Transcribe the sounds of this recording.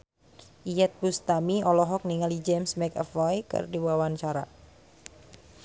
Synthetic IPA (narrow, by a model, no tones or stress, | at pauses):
ʔijɛt̪̚bust̪amiɔlɔɦɔk̚niŋalid͡ʒɛmsmɛkəfajkɨ̰rdiwawant͡ʃaɾa̰